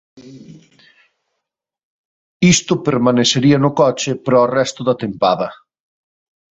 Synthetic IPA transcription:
ist̪ʊpeɾmaneseɾiɐnʊkɔt͡ʃɪpɾɔːrɛst̪ʊðɐt̪empaðɐ

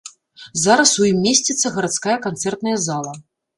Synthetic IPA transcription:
zaɾɐsujimːʲesʲt͡sʲɛt̪sːɐɣɐɾat̪skajɐkant̪sɛrt̪nɐjɐzalˠɐ

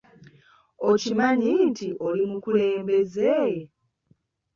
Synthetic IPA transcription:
o̞cimaɲintʰiʔo̞limukuleːmbe̞ze

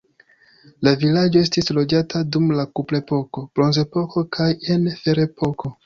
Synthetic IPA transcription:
lavilad͡ʒoe̞stislo̞d͡ʒatʰadumlakuple̞po̞ko̞b̥ɾo̞nze̞po̞kʰo̞kʰaje̞nfe̞ɾe̞pʰo̞kʰo̞

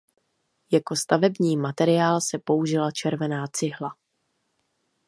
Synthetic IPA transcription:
jako̞st̪avɛbɲiːmat̪ɛɾɪaːlsɛpo̞uʒɪlat͡ʃɛɾvɛnaːt͡sɪɦla

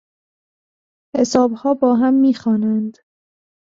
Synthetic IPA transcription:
he̞sɒːbhɒːbɒːɦæmːiːxɒːnænd̪

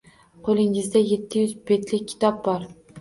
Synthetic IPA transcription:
qʰolˠɪŋɪzd̪aje̞t̪ʰːɪjʏzbe̞t̪lɪkʲʰːɪ̥t̪ʰɒp̚bɒɾ

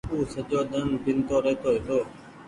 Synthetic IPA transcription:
uːsəd͡ʒoːd̪ənbɪnt̪oːɾeːt̪oːɦet̪oː

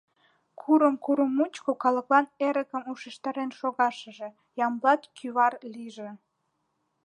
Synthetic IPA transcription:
kʰuɾəmkuɾəmut͡ɕkokɑləklɑneɾəkəmuʃeʃt̪ɑɾenʃoɣɑʃəʒe̽ | jɑmlɑt̪kʰyβɑrliʒe

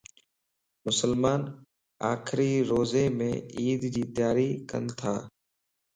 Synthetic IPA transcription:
mʊsəlmaːn | aːkʰɾiːɾoːzeːmẽːiːd̪d͡ʑiːt̪jaːɾiːkə̰nt̪ʰaː

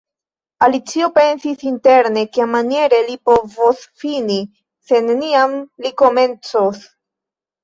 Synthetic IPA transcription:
alit͡sio̞pe̞nsisinte̞ɾne̞kemanije̞ɾe̞lipo̞vosfini | se̞neniamliko̞me̞nt͡sos

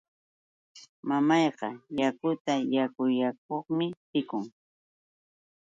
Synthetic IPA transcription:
mamɑjqɑjakʊt̪ajakʊjak̚oχmɪt̪ɪkʊŋ

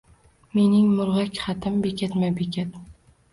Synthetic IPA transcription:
me̞nɪŋmʊɾʁakʲχɑt̪ʰɪmbekʲʰat̪mabekʲʰat̪

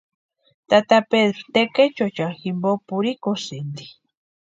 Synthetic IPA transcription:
t̪at̪apeðɾot̪eket͡ʃot͡ʃaximbopuɾikosind̪i

